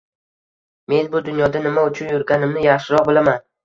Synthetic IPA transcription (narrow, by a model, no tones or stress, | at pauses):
me̞nbʊd̪ʊnjɒd̪anɪmaʊt͡ʃʰʊnjʊɾɡʲanɪmnɪjaχʃɪɾɒq̚bɪlaman